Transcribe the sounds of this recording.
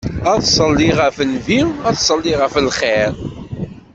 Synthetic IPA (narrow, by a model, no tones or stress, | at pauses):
æðsˤəlːiʁəfənviwæðsˤəlːiʁəfəlχeɾ